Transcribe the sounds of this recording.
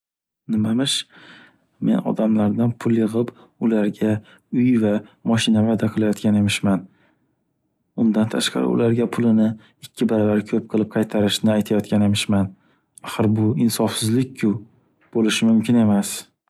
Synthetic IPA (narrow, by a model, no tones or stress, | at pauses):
nɪmamɪʃ | me̞̰nɒ̰d̪amlaɾd̪anpʰʊlˠjɨʁɪp | ʊlaɾɡʲa | ʊjvamɒʃɪnavad̪aqʰɨlˠajɒt̪kʲane̞mɪʃman | ʊnd̪ant̪ʰaʃqɑ̰ɾɪ̰ʊ̰laɾɡʲapʰʊlɪnɪ | ɪkʲʰːɪbaɾavaɾkʲʰɵp̚qʰɨlˠɪp̚qʰɑjt̪ʰaɾɪʃnɪajt̪ʰajɒt̪̚kʲane̞mɪʃman | aχɨɾbʊɪnsɒfsɪzlɪk̚ʲkʰʊ | b̥olɪʃɪmʊmkʲɪne̞mas